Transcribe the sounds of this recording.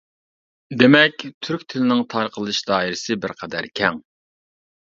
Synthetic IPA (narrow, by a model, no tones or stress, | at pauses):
d̪emɛkʲt̪ʰyɾkʲt̪ʰɪlɪnɪŋt̪ʰɑɾqʰəlˠɨʃd̪ɑːiɾɪsɨbɪɾqʰɛd̪æɾkʲʰɛŋ